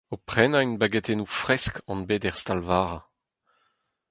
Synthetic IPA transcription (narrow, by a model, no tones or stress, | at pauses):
opχɛnaynbaɡet̪enufʁɛskɑ̃nbeːd̪ɛʁst̪alvaːʁa